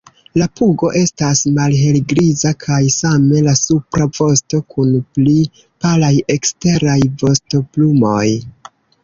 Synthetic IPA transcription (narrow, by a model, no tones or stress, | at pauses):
lapuɡo̞ʔe̞stasmalɦe̞lɡɾizakʰajsame̞lasupɾavo̞sto̞kʰunpli | palaje̞kste̞ɾajvo̞sto̞plumo̞j